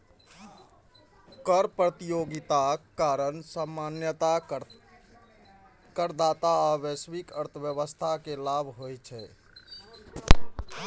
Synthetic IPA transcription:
kəɾpɾət̪ijoɡit̪akkːaɾənsəmːanjət̪a | kəɾd̪at̪aaʋesʋikəɾt̪ʰbjəʋəst̪ʰakelabʱɦojt͡ʃʰɛ

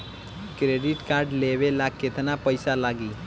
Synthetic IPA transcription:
kɾeɖɪʈkaɾɖleʋelak̚ːet̪napəɪsalaːɡiː

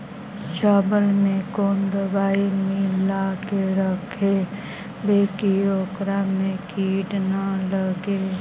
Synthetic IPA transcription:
t͡ʃaːbəlmẽkoːnd̪əbaːimiːlakeɾəkʰe | beːkijoːkɾamẽkiːɖnaləɡe

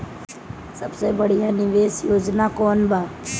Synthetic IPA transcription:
səbseːbəɽ̤iːaːnɪʋeːsjoːd͡ʒnaːkoːnbʱaː

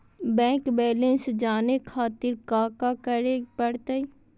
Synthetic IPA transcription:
bɛ̃ːkbɛːlẽnsd͡ʒaːnekʰaːt̪ɪɾkaːkakəɾepəɽt̪ai

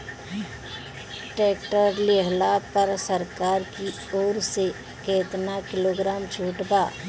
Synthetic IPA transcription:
ʈeːkʈəɾleɦlaːpəɾsəɾkaːɾki | oːɾse | keːt̪nakɪloːɡɾaːmt͡ʃʰuːʈbaː

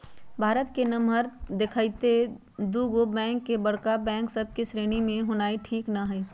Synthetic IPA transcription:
bʱaːɾət̪kenɐmɦəɾd̪ɪkʰaːit̪e | d̪uːɡobɛ̃ːŋkːebɐɽkabɛ̃ːŋksɐb̚ʱkisɾeːnimẽɦonaːiʈʰiːknaɦɛː

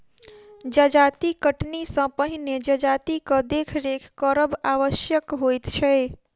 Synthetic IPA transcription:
d͡ʒəd͡ʒat̪ikəʈnisə̃pəɦined͡ʒəd͡ʒat̪ikə̃d̪ekʰɾekʰkəɾəbaʋəsjəkɦojt̪t͡ʃʰɛ

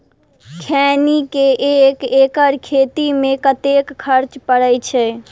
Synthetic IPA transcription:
kʰɛːnikeʔekeːkəɾkʰeːt̪imẽkət̪ekːʰəɾt͡ʃpəɽəjt͡ʃʰɛ

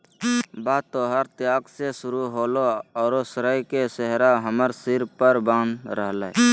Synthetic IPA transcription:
baːt̪oːɦəɾt̪jaːɡsesʊɾuɦoːloɔːɾosɾəjkesəɦɾaɦəməɾsɪɾpəɾbãːnɾəɦləː

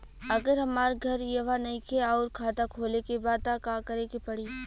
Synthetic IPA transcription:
ɐɡəɾɦɐmaːɾɡʱɐɾjɐʋanɐɦĩkʰeɔːɾkʰaːt̪akʰoːlekebaːd̪̚t̪akaːkɐɾeːkepɐɽiː

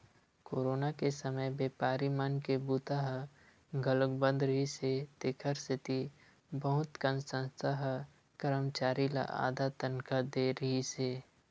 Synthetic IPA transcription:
koːɾoːnakesəməjbeːpaːɾimankebuːt̪aɦ | ɡələkbə̃nd̪ɾəɦiset̪ɪkʰəɾsɪt̪i | bəɦʊt̪kə̃nsə̃nst̪ʰaɦ | kəɾəmt͡ʃaːɾila̰ʔa̰ːd̪at̪ənkad̪eːɾəɦiseː

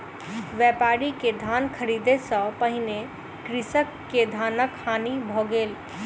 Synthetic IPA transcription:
ʋɛpaɾiked̪ʱankʰəɾid̪esə̃pəɦɪne | kɾɪsəkːed̪ʱanəkhanibʱɔɡeːl

